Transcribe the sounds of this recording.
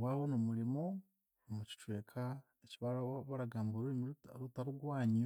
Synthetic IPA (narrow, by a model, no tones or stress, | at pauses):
waːβonomuɾimo | omuci̥t͡ʃweːkʰa | eciβaɾaβaɾaɡaːmboɾuimɾutaɾuɡwaːɲio